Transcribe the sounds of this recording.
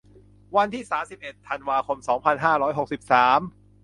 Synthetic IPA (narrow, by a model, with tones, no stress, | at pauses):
wa˧nt̪ʰiː˥˩saː˩˦msi˨˩p̚ʔe˨˩t̪ʰːa˧nwaː˧kʰo˧msɔː˩˦ŋpʰa˧nɦaː˥˩ɾɔː˦˥jɦo˨˩k̚si˨˩p̚saː˩˦m